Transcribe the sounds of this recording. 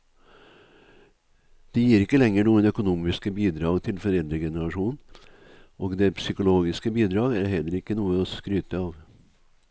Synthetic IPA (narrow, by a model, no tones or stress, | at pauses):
d̪̥ɛjiːɾɪkːəlɛŋːəɳuːənœkʊnuːmɪskəbiːd̪ɾɑːɡt̪ʰɪlfɔɾɛld̪ɾəɡɛnəɾɑʂuːnn̩ | ʔoːɡd̪ɛpʰsʏkʊloːɡɪskəbiːd̪ɾɑːɡæɾɦɛlːəɾɪkːənuːəɔskɾyːt̪əɑːʋ